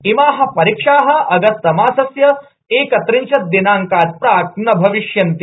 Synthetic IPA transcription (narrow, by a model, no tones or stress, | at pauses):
imaːɦɐ̆pɐɾikʂaːɦɐ̆ɐɡɐst̪ɐmaːsɐsjɐ | eːkɐt̪ɾiɲt͡ʃʰɐt̪̚d̪inaːŋkaːd͡ʒpɾaːk̚nɐbʱɐʋiʃjɐnt̪i